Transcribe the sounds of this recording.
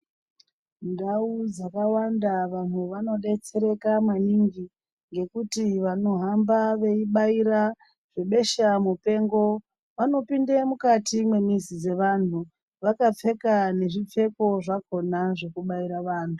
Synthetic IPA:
ndaud͡zakawandaʋan̤uʋano̞ɗe̞t͡se̞ɾe̞kamaniŋɡi | ŋɡe̞kutiʋano̞ɦambaʋe̞iɓaiɾa | ʐ̥e̞ɓe̞ʃamupe̞ŋɡo̞ | ʋano̞pindemukatimwe̞mizid͡ze̞ʋan̤u | ʋakap͡fe̞kane̞ʐip͡fe̞ko̞ʐako̞naʐe̞kuɓaiɾaʋaːn̤u

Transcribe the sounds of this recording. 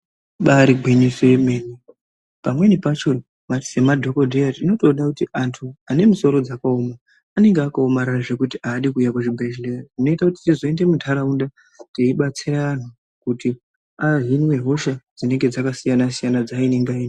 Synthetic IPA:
ɓaɾiɡʱwiɲisemeːni | pamwe̞nipat͡ʃo | mati̥semadʱo̞ko̞dʱeatino̞to̞ːnakutiʔantʰuane̞miso̞ɾo̞d͡zakaomaː | ne̞ŋɡeakaomaɾaaʐe̞kutiʔaːɗikujakuʐibʱeʒlerauno̞itakutitizo̞e̞nde̞mudʱaɾaunda | teiɓat͡siraan̤u | kuti | aɦinwe̞ɦo̞ʃad͡zine̞ŋɡe̞d͡zakasijanasijanad͡zaineŋɡain

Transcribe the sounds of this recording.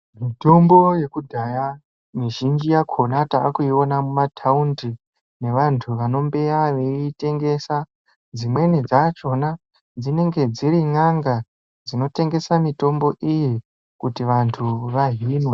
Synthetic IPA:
mito̞mbo̞je̞kudʱaja | miʒind͡ʒijakʰo̞nataːkuio̞namumatʰaundi | ne̞ʋantʰuʋano̞mbe̞aʋe̞ite̞ŋɡe̞sa | d͡zimwe̞nid͡zat͡ʃo̞na | d͡zine̞ŋɡe̞d͡ziɾiŋaŋɡa | d͡zino̞te̞ŋɡe̞samito̞mbo̞ʔiji | kutiʋantʰuʋaɦinwe

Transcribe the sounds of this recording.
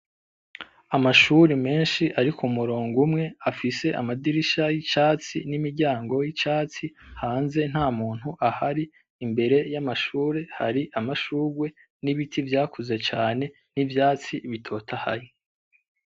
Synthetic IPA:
amaʃuɾime̞ːnʃiʔaɾikʰumuɾoːŋɡumŋe̞afise̞ʔa̰madiɾiʃajit͡ʃaːt͡sḭnimiɾɟaːŋɡo̞jit͡ʃaːt͡sihaːnze̞n̥haːmuːn̥huʔahaɾiː | mbe̞ɾe̞jamaʃuːɾe̞ha̰ɾiʔamaʃuːɾwe̞ | niβitʰivjaːkuze̞t͡ʃaːne̞ | nivjaːt͡siβitʰo̞ːtʰaha̰ji

